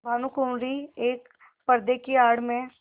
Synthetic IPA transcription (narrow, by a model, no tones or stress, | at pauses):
bʱaːnukuːnɾieːk | pɐɾd̪ekiaːɽmẽ